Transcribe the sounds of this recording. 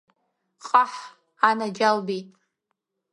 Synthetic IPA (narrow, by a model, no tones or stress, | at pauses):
qʼaħ | anad͡ʒalbitʼ